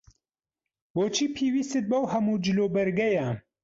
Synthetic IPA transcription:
boːt͡ʃʰiːpʰiːwiːst̪ɨt̪̚bɐwhɐmuːd͡ʒɨloːbɐɾɡɐjɐ

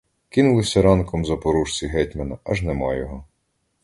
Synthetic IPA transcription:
kɪnʊlˠɪsʲɐɾɑnkɔmzɐpɔɾuʃt͡sʲiɦɛtʲmɐnɐɐʒnɛmɑjɔɦɔ

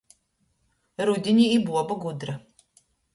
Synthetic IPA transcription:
ɾud̪ʲinʲiːbuɔbaɡud̪ɾa

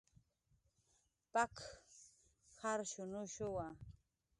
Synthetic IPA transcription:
pak | haɾʃʊnʊʃʊwa

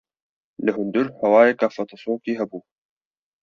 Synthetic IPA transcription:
lɨɦʊnd̪ʊɾhɛwɑːjeːkafɐt̪ʰˤɨsoːkiːɦɛbuː

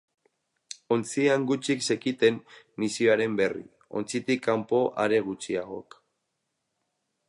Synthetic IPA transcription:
o̞nt͡siaŋɡut͡ʃikse̞kit̪e̞nː | isioaɾe̞mbe̞rḭ | o̞̰nt͡sit̪ikːampo̞ʔaɾe̞ɣ̞ut͡ʃiaɣo̞̰k

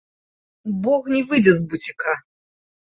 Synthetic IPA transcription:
bɔxnʲivɨd͡zʲɛzbut͡sʲi̥ka

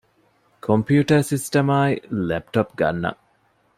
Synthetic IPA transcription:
kʰompjuːʈɐɾsisʈɐmaːilep̚ʈopɡɐ̰nːɐ̰

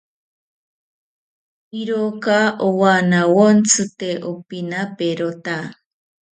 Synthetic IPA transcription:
iɾokaʔowanawont͡sʰɨt̪eʔopinapeɾot̪a

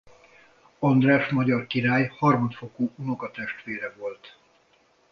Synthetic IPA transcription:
ɒnd̪rɛʃmɒɟɒrkiɾaːjhɒrmɒt̪fo̞koːunoɡɒt̪ɛʃt̪ʋeːɾɛvo̞lt̪

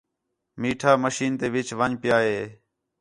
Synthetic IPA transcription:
miːʈʰaːməʃiːnt̪eːʋɪt͡ʃʋəɲpɪjaːɦeː

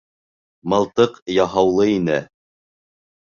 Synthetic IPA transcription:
mɑlˠt̪ɤqjɑɦɑwlˠɤinɘ

